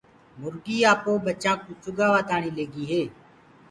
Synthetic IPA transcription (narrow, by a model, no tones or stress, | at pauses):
mʊɾɡiːaːpõːbət͡ʃãːkuːt͡ʃʊɡaːʋaːt̪aːɳiːleːɡiːɦeː